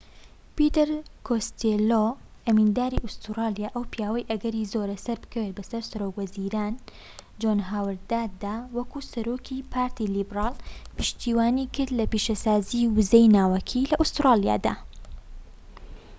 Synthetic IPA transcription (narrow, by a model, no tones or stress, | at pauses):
pit̪ɛɾkʰost̪eloʔɐmiːnd̪aːɾiʔust̪ɾaːlijaːʔɐwpjaːwɐjʔɐɡɐɾizoːɾɐsɐɾbɨ̥kʰɐwet̪̚bɐsɐɾsɐɾokwɐziɾaːn | d͡ʒonɦaːwɨɾd̪aːd̪aːwɐkusɐɾoːkʰipʰaːɾt̪ilibɾaːlpɨ̥ʃt̪iːwaːnikʰɨɾd̪lɐpiʃɐsaːziwɨzejnaːwɐkʰilɐʔust̪ɾaːlija̰ːd̪a̰ː